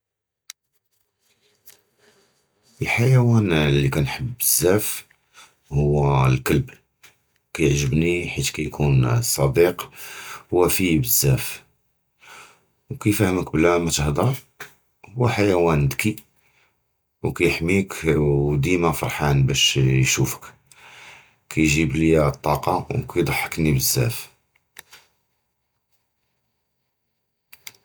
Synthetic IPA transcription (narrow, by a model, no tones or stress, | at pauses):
əlħajæwænlːikænħəbəzːæf | hʊwːælkəlb | kæjəʕʒəbniħit̪kæjkʰunsˤɑd̪iq | wæfibəzːæf | wkæjfæhəmək̚bəlæmæt̪əhd̪ɑɾˤ | wæħajæwænd̪ki | wkæjəħmikd̪imæfɑ̰ɾˤħanbæʃjʃufə̥k | kʰæjʒibləjæt̪ˤːɑqɑwkæjd̪ˤɑħːə̥knibəzːæ̰f